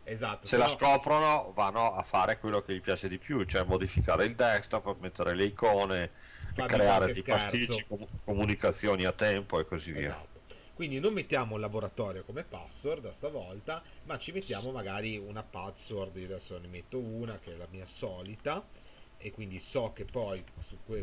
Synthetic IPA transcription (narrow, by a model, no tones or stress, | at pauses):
ezat̪ːoselaskɔːpɾonovanːoafaːɾekwelːokeʎipjaːt͡ʃed̪ipjut͡ʃoɛmod̪ifikaːɾeild̪ɛkst̪opːmet̪ːeɾeleikɔːne | fakɾeaːɾed̪ejaɛsrit͡ʃːiokomunikat̪sːjoːniat̪ːɛmpoekːozivːḭːaa̰t̪ːo | kwind̪inomːet̪ːjaːmoulːaboɾat̪ɔːɾjokomepasord̪ast̪avɔlt̪amat͡ʃimet̪ːjaːmomaɡaːɾiunapat̪sord̪iɾeasonemet̪ːouːnakeɛlamiːasɔːlit̪a | ekːwind̪isɔk̟ːepːɔjsukːwe